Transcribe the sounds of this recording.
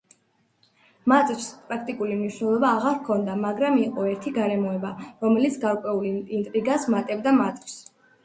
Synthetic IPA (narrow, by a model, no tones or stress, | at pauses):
mat̪ʼɾspʼɾakʰt̪ʼikʼulimniʃnɛlˠɔbaːʁaɾkʰɔnd̪amaɡɾamiqʼɔɛɾt̪ʰiɡaɾɛmɔɛbaɾɔmɛlit̪sʰɡaɾkʼwɛulint̪ʼɾiɡasmat̪ʼɛbd̪amat̪ʼɾs